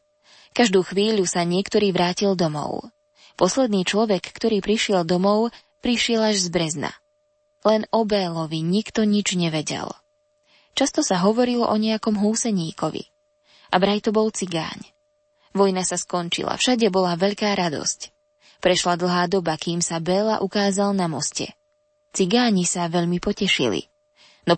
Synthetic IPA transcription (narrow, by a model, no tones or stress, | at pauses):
kaʒd̪uːxʋiːʎusaɲɪɛkt̪ɔɾiːʋɾaːcild̪ɔmɔ̰ʊ | pɔslɛd̪niːt͡ʃlɔʋɛkːt̪ɔɾiːpɾiʃɪɛld̪ɔmɔʊ | pɾiʃɪɛlaʒzbɾɛzna̰ | lɛnɔbɛːlɔʋiɲikt̪ɔɲid͡ʒɲɛʋɛɟɛ̰l | t͡ʃast̪ɔsaɦɔʋɔɾilɔʔɔɲɛjakɔmɦuːsɛɲiːkɔʋḭ | ʔabɾajt̪ɔbɔlˠt͡siɡa̰ːɲ | ʋɔjnasaskɔnt͡ʃḭla̰fʃaɟɛbɔlaʋɛʎkaːɾad̪ɔ̰sc | pɾɛʃlad̪l̩ˠɦaːd̪ɔbakiːmsabɛːla̰ʔukaːzalnamɔscɛ̰ | t͡siɡaːɲisaʋɛʎmipɔcɛʃḭlḭ | nɔ